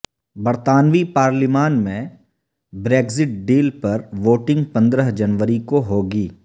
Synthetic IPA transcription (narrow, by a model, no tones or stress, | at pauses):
bɐɾt̪aːnʋipaːɾlɪmaːnmẽ | bɾeːɡzɪʈ̚ɖiːlpɐɾʋoːʈɪ̃ŋɡpɐ̃nd̪ɾəɦd͡ʒɐnʋəɾikoɦoːɡiː